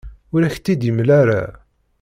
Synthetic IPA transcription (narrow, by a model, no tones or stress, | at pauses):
ʊɾæçt̪ːid̪imlæɾa̰